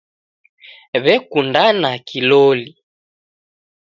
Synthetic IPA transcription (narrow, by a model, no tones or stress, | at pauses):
βɛkundanakilɔli